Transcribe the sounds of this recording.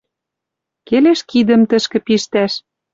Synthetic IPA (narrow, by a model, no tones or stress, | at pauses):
keleʃkid̪ə̆mt̪ə̆ʃkɘ̆piʃt̪æʃ